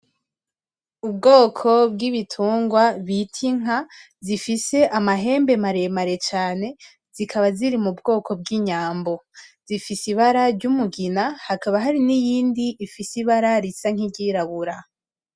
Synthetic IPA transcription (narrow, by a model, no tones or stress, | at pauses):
ub̚ɡo̞ːkʰo̞bɡiβitʰuːŋɡwaβitʰiŋ̥a | zifise̞ʔamaɦe̞ːmbe̞maɾe̞maɾe̞t͡ʃaːne̞ | z̥ikʰaβaziɾimubɡo̞ːkʰo̞b̚ɡiːɲaːmbo̞z̥ifisiβaɾaɾɟumuɡinahakaβaɦaɾinijiːndiʔːfisiβaɾaɾisaŋ̥iɟiːɾaβuɾa